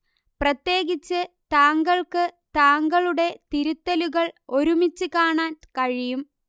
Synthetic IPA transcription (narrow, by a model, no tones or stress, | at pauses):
prɐt̪je̞ːɣit͡ɕːɨt̪aːŋɡɐɭkɨt̪aːŋɡɐɭuɽe̞t̪iɾut̪ːɐluɣɐɭo̞ɾumit͡ɕːɨkaːɳaːnkɐɻijum